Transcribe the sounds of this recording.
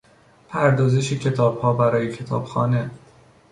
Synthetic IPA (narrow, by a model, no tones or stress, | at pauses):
pʰæɾd̪ɒːzeʃecʰe̞t̪ʰɒːb̥hɒːbæɾɒːjekcʰe̞t̪ʰɒ̰ːb̥xɒ̰ːne̞